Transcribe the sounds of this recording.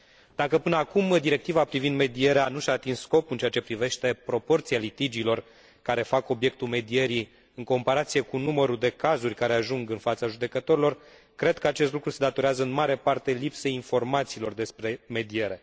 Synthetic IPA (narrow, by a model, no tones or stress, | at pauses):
d̪̥akəpɨnəakumd̪iɾe̞k̚t̪ivapɾivind̪me̞d̪ie̞ɾeanuʃaːt̪inssko̞pɨnt͡ʃeat͡ʃe̞pɾive̞ʃt̪e̞pɾo̞po̞rt̪sijalit̪id͡ʒiːlo̞r | kaɾe̞fako̞bje̞k̚t̪ulme̞d̪ieɾi | ɨŋko̞mpaɾat̪sije̞kunuməɾud̪e̞kazurʲkaɾe̞aʒuŋɡɨnfat̪saʒud̪e̞kət̪o̞ɾilo̞r | kɾe̞d̪̚kəat͡ʃest̪lukɾuse̞d̪at̪o̞ɾeazəɨnmaɾe̞part̪e̞lipse̞jinfo̞rmat̪siːlo̞rd̪e̞spɾe̞me̞d̪ie̞ɾe̞